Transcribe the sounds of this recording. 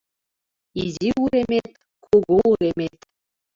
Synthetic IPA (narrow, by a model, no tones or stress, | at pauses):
iziuɾemʲet̪̚ | kʰuɣuuɾʲemʲet̪ʲ